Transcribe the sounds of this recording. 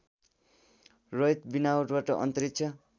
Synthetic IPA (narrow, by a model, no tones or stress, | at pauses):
rʌjt̪binawoʈbaʈʌʔʌ̰nt̪ʌɾit̪̚t͡sʰʌ